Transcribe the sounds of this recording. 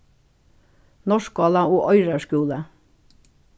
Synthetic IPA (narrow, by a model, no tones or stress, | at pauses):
nɔʃk̚ɡɑːlɑoːʔœʏɾəʃkʉːlə